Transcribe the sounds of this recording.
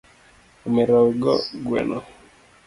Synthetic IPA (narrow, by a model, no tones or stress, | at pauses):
umeɾauɡɔ̰ɡwɛ̰nɔ